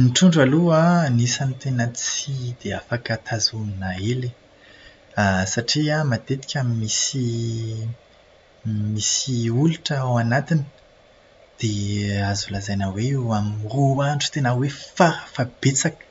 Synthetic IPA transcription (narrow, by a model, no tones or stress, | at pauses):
miʈ͡ʂuɳɖ͡ʐaluanisanit̪enat͡sid̪̥eafakat̪ʰazuninaeli | asaʈ͡ʂiamat̪et̪i̥kʲamimisi | misiuluʈ͡ʂəawanat̪inə | d̪̥eazulazajnaweuamroaɳʈ͡ʂu̥t̪enawefafab̥et͡sakə̥